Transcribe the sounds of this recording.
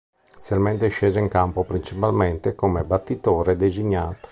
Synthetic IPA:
selmɛnt̪eʃɛːzoiŋkampopɾint͡ʃipalmɛnt̪ekomebat̪ːit̪oːɾed̪eziɲːaːt̪o̥

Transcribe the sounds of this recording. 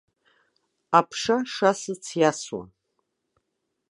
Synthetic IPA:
apʰʂaʂasɨt͡sʰjaswa̰

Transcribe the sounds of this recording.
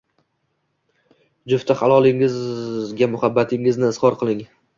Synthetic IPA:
d͡ʒʊft̪aχalˠɒlˠɪŋɪzɡʲamʊhabːat̪ʰɪŋɪznɪɪzχɒɾqʰɨlˠɪŋ

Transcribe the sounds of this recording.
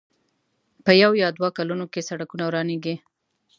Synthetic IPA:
pəjawjɑd̪wakalunokesaɽakunawɾɑneɡe

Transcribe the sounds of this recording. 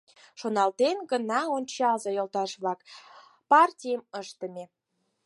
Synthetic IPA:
ʃonɑlt̪enɡənɑonʲt͡ɕɑzɑjolt̪ɑʃβlɑk | pɑrtʲijəməʃt̪əmʲe

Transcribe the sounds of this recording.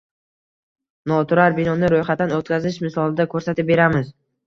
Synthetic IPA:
nɒt̪ʰʊɾaɾbɪnɒnɪɾojχat̪ːanot̪̚kʲazɪʃmɪsɒlˠɪd̪akʰɵɾsat̪ɪp̚be̞ɾamɪz

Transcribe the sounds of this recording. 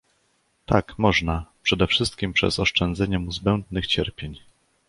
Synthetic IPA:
t̪akmɔʐnapʂɛd̪ɛfʂɘst̪̚kʲimpʂɛ̰sɔʂt͡ʂɛnd̪zɛɲɛmuzbɛnd̪̚nɘxt͡ɕɛɾpʲjeɲ

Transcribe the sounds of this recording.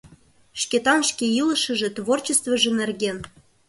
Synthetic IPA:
ʃkʲet̪ɑnʃkʲeilə̆ʃə̆ʒĕt̪vort͡ɕest̪vɤ̆ʒĕnĕrɣʲen

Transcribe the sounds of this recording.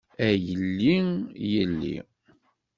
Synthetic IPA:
æjəlːiŋjəlːḭ

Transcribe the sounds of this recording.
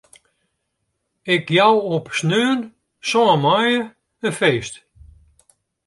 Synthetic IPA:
ɪkjawɔpsnøːən | sɔːmajə | əfeːst

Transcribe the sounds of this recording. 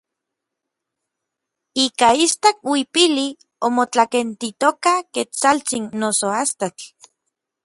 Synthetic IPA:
iːkaist̪akwipili | omot͡ɬakent̪it̪okaket͡salt͡sinːosoast̪at͡ɬ

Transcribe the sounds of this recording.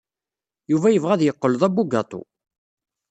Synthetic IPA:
juvæjəvʁæðjəqːəlðˤæbːuɡɑt̪ˤo̰

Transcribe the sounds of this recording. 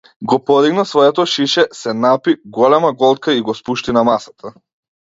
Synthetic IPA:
ɡɔpɔd̪iɡnasvɔɛt̪ɔʃiʃɛsɛnapiɡɔlɛmaɡɔlˠt̪̚kaiɡɔspuʃt̪inamasḁt̪ʰa

